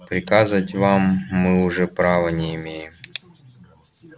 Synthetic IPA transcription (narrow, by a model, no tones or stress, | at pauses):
pɾʲɪkazəvətʲvamːɨʊʐɛpɾavənʲɪɪmʲejɪm